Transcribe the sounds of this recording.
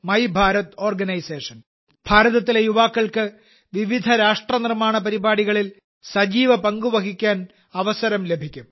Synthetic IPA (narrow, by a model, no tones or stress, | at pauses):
mɐjbʱaːɾɐt̪oːrɡɐnɐjseːʂɐn | b̥ʱaːɾɐðɐt̪ːilejuʋaːkːɐɭkɨ | ʋiʋid̪ʱɐɾaːʂʈrɐnirmaːɳɐpɐɾibaːɽiɣɐɭil | sɐd͡ʑiːʋɐpɐŋɡuʋɐɡikʲːaːn | ɐʋɐsɐɾɐmle̞bʱikʲːum